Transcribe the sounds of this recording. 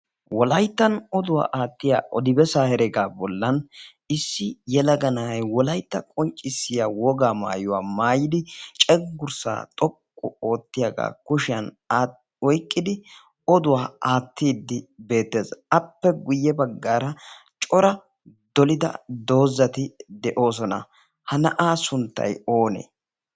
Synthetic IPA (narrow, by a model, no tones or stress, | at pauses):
wɔlɐjt̪ːɐnɔd̪ʊwa̰ːʔaːt̪ːɪja̰ːʔɔd̪ɪbɛsaːhɛɾɛɡaːbɔlːɐn | ɪsːɪjɛlɐɡɐnajwɔlɐjt̪ːɐkʼɔnt͡ʃʼɪsːɪjaːwɔɡaːma̰ːjʊwaːmaːjɪd̪ɪt͡ʃʼɛɡʊɾsa̰ːt̪ʼɔkʼːʊ̰o̞ːt̪ːɪjɐɡa̰ːkʊʃɪjɐn | wɔjkʼːɪd̪ɪ | ɔd̪ʊwaːaːt̪ːiːd̪ːɪbe̞ːt̪ːe̞ːzɐpːɛɡʊjːɛbɐɡːaːɾɐ | t͡ʃʼɔɾɐ | d̪ɔlɪd̪ɐ̰d̪o̞ːzːɐt̪ɪd̪ɛʔo̞ːs̬ɔnɐ̰ | hɐnɐʔaːsʊnt̪ːɐ̰jo̞ːnḛː